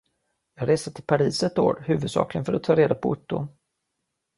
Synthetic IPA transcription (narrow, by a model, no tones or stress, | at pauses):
jɑːɡɾeːsat̪ʰɪlpʰaɾiːsɛt̪oːɾhʉ̟ːvɵd̪sɑ̰ːklɪɡənfœɾat̪ʰːɑːɾeːd̪apʰɔʊ̰t̪ːʊ̰